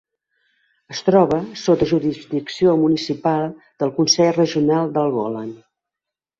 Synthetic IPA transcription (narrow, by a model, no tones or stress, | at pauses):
əst̪ɾɔβəsot̪əʒuɾizd̪iksiomunisipalˠ | d̪̥əlˠkunsɛʎrəʒiunalˠd̪əlˠɣɔlən